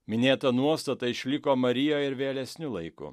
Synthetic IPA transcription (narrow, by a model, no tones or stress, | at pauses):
mʲɪnʲeːt̪ɐnuɔst̪ɐt̪ɐɪʃʲlʲɪkoːmɐɾʲɪjoːɪɾʋʲeːlʲɛsʲnʲʊlˠɐɪkʊ̰